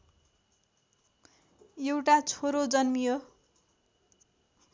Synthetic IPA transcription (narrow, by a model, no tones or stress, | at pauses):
jewʈat͡sʰoɾod͡zʌnmijo